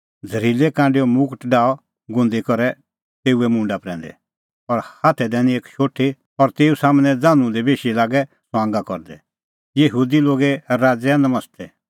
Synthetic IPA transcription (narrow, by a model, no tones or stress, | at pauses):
d͡zʱɐɾiːlekãːɳɖijɔmʊkʈɖaːɔ | ɡʊ̃nd̪ikɔɾɛ | t̪eːuɛmʊ̃ɳɖapɾɛ̃ːn̆d̪ɛ̰ | ɔɾhaːt̪ʰɛd̪ɛːnĩeːkʃoːʈʰe | ɔɾt̪eːusaːmñɛ̃d͡zãːnũd̪ebeːʃilaːɡɛsɔãːŋɡakɔ̰ɾd̪ɛ̰ | jɐɦuːd̪iloːɡɛɾaːd͡zɛanɐmɐst̪ʰɛ